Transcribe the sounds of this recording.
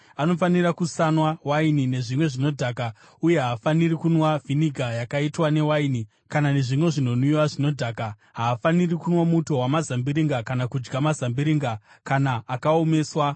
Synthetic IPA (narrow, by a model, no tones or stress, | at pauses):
ano̞fanirakusanwawainine̞ʐimwe̞ʐino̞dʱaːka | uje̞ɦaːfanirikunwaviniɡʱajakaitwane̞waini | kanane̞ʐimwe̞ʐino̞nuiwaʐino̞dʱaːka | ɦaːfanirikunwamuto̞ɦwamazambiɾiŋɡakanakud͡ʒɡamazambiɾiŋɡa | kanaːkaome̞ːswa